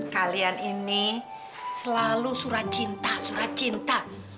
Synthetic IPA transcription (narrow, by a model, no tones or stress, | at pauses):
kalianini | səlalusuɾat̪̚t͡ʃint̪asuɾat̪̚t͡ʃint̪a